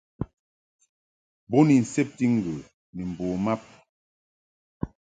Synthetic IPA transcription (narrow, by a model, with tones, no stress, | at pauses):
bo˦ni˨n̩˨se˦p̚ti˦ŋ˦˨ɡə˨ | ni˨m̩˨boː˨ma˦p̚